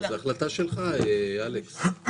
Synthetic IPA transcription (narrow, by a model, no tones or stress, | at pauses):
zeaχlat̪aʃelχaealeks